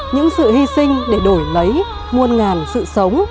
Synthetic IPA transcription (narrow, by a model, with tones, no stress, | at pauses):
ɲɨ̰˧˥ŋsɨ̰˧˨hi˧sï˧ŋ̟ɗe˧˩ɗo˧˩jlə˨˦j | mu˧ənŋaː˨˩nsɨ̰˧˨sə˨˦wŋ͡m